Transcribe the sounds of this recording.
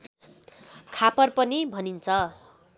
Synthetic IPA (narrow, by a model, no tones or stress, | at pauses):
kʰapʌrpʌnibʱʌnint͡sʰʌ